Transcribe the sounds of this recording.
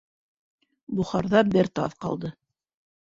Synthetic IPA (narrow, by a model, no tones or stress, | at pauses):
buχɑɾðɑbɘɾt̪ɑ̰ðqɑ̰lˠd̪ɤ